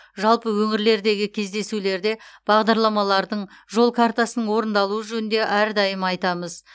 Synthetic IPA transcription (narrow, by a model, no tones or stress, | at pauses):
ʒɑlˠpəwɵŋɪɾle̞ɾd̪e̞ɡʲɪkʲʰe̞zd̪e̞sule̞ɾd̪e̞b̥ɑʁd̪ɑɾlˠɑmɑlˠɑɾd̪əɴʒo̞lˠkʰaɾt̪asənəɴwo̞ɾənd̪ɑlˠuəʒɵnnd̪e̞ʔæɾd̪ɑjəmɑjt̪ɑməz